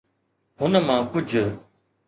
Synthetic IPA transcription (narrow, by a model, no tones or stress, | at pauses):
ɦʊnəmãːkʊd͡ʑ